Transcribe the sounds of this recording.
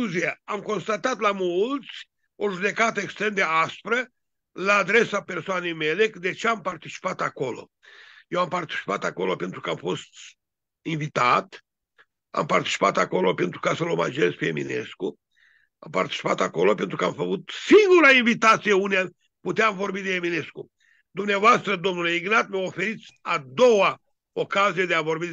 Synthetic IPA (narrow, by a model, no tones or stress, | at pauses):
uziaamko̞nst̪at̪at̪lamult̪sʲ | o̞ʒud̪e̞kat̪əekst̪ɾe̞md̪easpɾə | laːd̪ɾe̞sape̞rsoane̞jmelekd̪et͡ʃeampart̪it͡ʃi̥pat̪ako̞lo̞̰ | jewampart̪i̥t͡ʃi̥pa̰t̪ako̞lo̞pe̞nt̪ɾukəamfo̞st̪ | invit̪at̪ | a̰mpart̪i̥t͡ʃi̥pat̪ako̞lo̞pe̞nt̪ɾukasəloma̰d͡ʒe̞zpejemḭne̞̰sku | a̰mpa̰rt̪i̥t͡ʃi̥pat̪ako̞lo̞pe̞nt̪ɾukəamfəkut̪siŋɡuɾainvit̪at̪sijeunea | put̪eamvo̞rbid̪ejemine̞sku | d̪umneavoast̪ɾəd̪o̞mnule̞iɡnat̪məofe̞ɾit̪sʲad̪o̞wa | okazijed̪eavo̞rbi